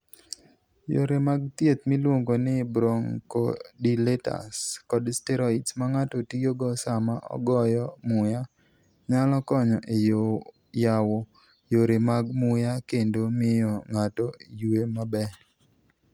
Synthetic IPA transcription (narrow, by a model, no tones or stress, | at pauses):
jo̰ɾemaɡ̚t̪jet̪̚milwoŋɡonɪbɾoŋko̰dileta̰skɔdstɛɾɔitsmaŋatotijoɡɔsamaʔɔ̰ɡɔjɔmʊja | ɲalɔkɔɲɔʔejo | jawo | joɾemaɡmʊjakendomɪjɔŋatɔjuemabɛ